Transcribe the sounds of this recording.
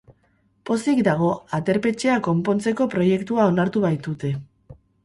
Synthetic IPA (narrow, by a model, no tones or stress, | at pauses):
po̞sikd̪aɣ̞o̞at̪e̞ɾpe̞t͡ʃe̞ako̞mpo̞nt͡se̞ko̞pɾo̞je̞kt̪uao̞naɾt̪uβajt̪ut̪e̞